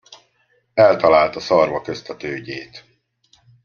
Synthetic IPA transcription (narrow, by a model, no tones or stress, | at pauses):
ɛlt̪ɒlaːlt̪ɒsɒrvɒkøst̪ɒt̪øːɟeːt̪